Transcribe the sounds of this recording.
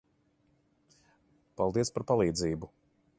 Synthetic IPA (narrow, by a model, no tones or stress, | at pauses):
palˠd̪iɛspaɾpalˠiːd̪ziːbu